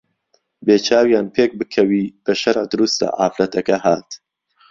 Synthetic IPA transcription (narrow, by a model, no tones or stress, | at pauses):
beːt͡ʃʰaːwjaːnpʰeːk̚bɨkʰɐwiːb̥ɐʃɐɾʕd̪ʊɾust̪a̰ʕa̰ːfɾɐt̪ʰɐkɐɦaːt̪